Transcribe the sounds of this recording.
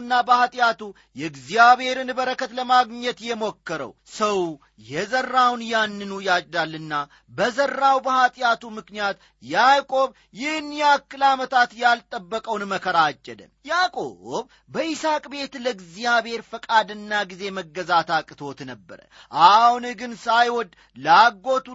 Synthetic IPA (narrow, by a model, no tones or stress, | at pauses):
nːabəhat̪ʼɪjat̪u | jɛɨɡzijaβhe̞ɾɨnbəɾəkʰət̪ləmaɡɲɛt̪jɛmo̞kːəɾə̰wsəw | jɛzərːawnjanːɨnujat͡ʃʼd̪alːɨnːa | bəzərːawbəhat̪ʼɪjat̪umɨknijat̪ | jakʼo̞β | jɪhɨnjakːɨlamət̪ʰat̪jalt̪ʼəbːəkʼəwnməkʰəɾad͡ʒːɛd̪ə̰mjakʼo̞̰β | bəʔisakʼbe̞t̪ləɡzijaβhe̞ɾfəkʼad̪ɨnːaɡize̞məɡːəzat̪akʼːɨt̪ʰo̞t̪nəbːə̰ɾə̰ | ʔahhunɨɡɨnsajwɔd̪ | laɡːo̞t̪u